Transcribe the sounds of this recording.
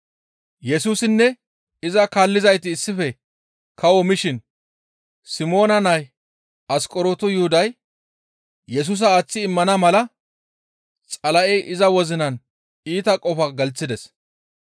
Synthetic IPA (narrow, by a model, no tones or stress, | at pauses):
jɛsuːsɪnːɛ | ɪzɐkaːlːɪzɐjt̪ɪːsːɪfɛ | kʰɐwɔmɪʃɪn | sɪmo̞ːnɐnɐj | ɐskʼɔɾoːt̪ʊjʊhʊd̪ɐj | jɛs̬uːs̬ɐːt͡sːɪːmːɐnɐmɐlɐ | t͡sʼɐlɐʔɛʔɪzɐwɔzɪnɐn | iːt̪ɐkʼɔfɐɡɐlt͡sːɪd̪ɛs